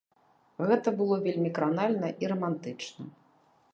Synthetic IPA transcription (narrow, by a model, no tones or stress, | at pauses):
ɣɛt̪ɐbɨlˠɔvʲelʲmʲikɾanalʲnɐʔiɾɐmant̪ɨt͡ʂnɐ̰